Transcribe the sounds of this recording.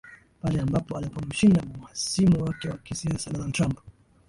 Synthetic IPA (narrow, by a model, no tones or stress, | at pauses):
palɛambapɔalipɔm̩ʃindammwasimuwakɛwakisiasadɔnaldtɾamp